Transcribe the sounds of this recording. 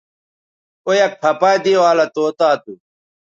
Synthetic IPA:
ojɐkpʰɐpaːd̪iwaːlɐt̪oːt̪aːt̪u

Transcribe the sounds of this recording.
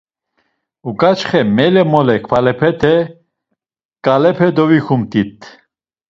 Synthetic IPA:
ukʼat͡ʃχɛmɛlɛmɔlɛkʰfalɛpʰɛt̪ʰɛ | kʼalɛpʰɛd̪ɔvikʰumt̪ʼit̪ʰ

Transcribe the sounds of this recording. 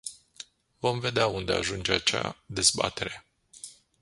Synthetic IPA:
vo̞mve̞d̪eaund̪e̞a̰ʒund͡ʒeat͡ʃa̰d̪e̞zba̰t̪e̞ɾe̞

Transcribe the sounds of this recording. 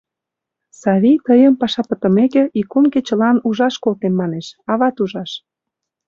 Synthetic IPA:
sɑβʲit̪əjəmpɑʃɑpə̆t̪ə̆mekĕikumket͡ɕə̆lɑnuʒɑʃkolt̪emmɑneʃɑβɑt̪uʒɑʃ

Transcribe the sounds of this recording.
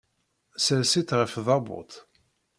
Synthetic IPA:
səlsit̪ʁəfðˤɑbʊ̰t̪

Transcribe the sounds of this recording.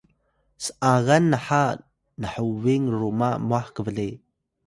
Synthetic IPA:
sə̥ʔaɣanːaħa | nəħuwiŋrumamuaħkəvəɮi

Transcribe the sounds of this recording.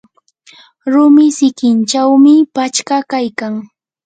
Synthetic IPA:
ɾʊmɪsɪkɪnt͡ʃawmɪpat͡ʃkakajkaŋ

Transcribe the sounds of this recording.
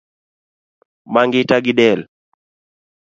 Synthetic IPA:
maŋɡitaɡiɗɛl

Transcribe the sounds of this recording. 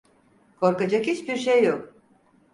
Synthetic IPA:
kʰo̞ɾkad͡ʒakhit͡ʃbiɾʃejːok

